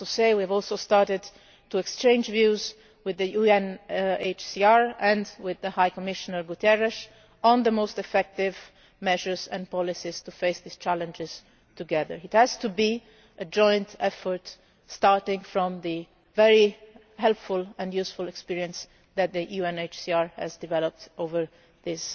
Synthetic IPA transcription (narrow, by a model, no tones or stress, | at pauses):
useɪwiævɔlˠsoʊstɑɹtɪd | tuɛkst͡ʃẽɪnd͡ʒvjuz | wɪðəjuɛ̃net͡ʃsiɑɹɛ̃ndwɪðəhajkɔmɪʃənəɹɡut̪ɛɹɛʃ | ə̃nðəmoʊstɛfɛk̚tɪv | mɛʒə˞zɛ̃npɔlisiz̥tufeɪsðiz̥t͡ʃælə̃nd͡ʒɪz̥ | tuɡɛðə̰ɹɪthæz̥tubi | əd͡ʒɔ̃j̃ntɛfəɹt | stɑɹtɪ̃ŋfɹɔ̃mðɨ | vɛɹi | ɦɛlˠpfʊlˠɛ̃njusfʊlɛkspiɹiə̃ns | ðæt̪̚d̪əjuɛ̃net͡ʃsiɑɹhæ̰zdɨvɛlɔp̚tʔovə˞ | ðɪs